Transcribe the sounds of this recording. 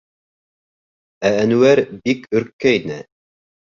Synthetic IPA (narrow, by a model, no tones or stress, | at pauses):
æːnʉwæɾbikɵ̆ɾkːæinɘ